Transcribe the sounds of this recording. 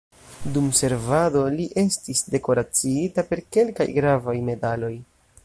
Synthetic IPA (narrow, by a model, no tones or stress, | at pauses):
dumse̞ɾvado̞liʔe̞stisde̞ko̞ɾat͡siitape̞ɾke̞lka̰jɡɾavajme̞dalo̞j